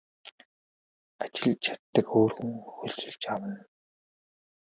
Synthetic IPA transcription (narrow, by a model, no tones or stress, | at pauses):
at͡ɕɪ̆ɮt͡ɕʰḁt̪ːə̆koːrxɵ̆ŋxɵɮt͡sɵ̆ɮt͡ɕawə̆n